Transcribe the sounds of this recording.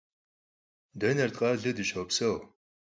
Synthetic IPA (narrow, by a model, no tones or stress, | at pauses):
dɐnɐrt̪qʼɐɮɨdɨʃoːpsɐw